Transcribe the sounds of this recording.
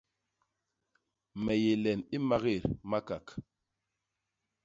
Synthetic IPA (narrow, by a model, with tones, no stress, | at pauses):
mɛ˨je˨lɛ˨ni˦ma˦ɣe˦˨ɾma˦ka˨k